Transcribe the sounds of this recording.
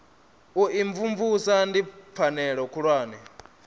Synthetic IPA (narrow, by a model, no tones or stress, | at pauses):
uʔiɱvuɱvusandip̪fʰanɛɺɔkʰuɺwaːnɛ